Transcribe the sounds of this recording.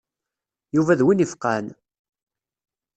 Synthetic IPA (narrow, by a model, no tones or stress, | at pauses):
juvæðwinifqæn